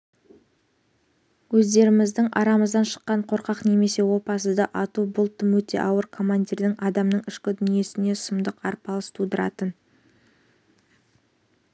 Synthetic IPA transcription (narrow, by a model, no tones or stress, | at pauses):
wɵzd̪e̞ɾɪmɪzd̪ɪŋɑ̰ɾɑməzd̪ɑnʃə̥qːɑɴqʰo̞ɾqɑqne̞me̞se̞wo̞pɑsəd̪ɑʔɑt̪ubʊlˠt̪əmwɵt̪e̞̰ʔɑwəɾkʰo̞manʲd̪ʲiɾd̪ɪŋʔɑd̪ɑmnəɴɪʃkʲɪd̪ʏnije̞sɪne̞səmd̪əqɑɾpɑlˠəst̪ʰud̪əɾɑ̰t̪ən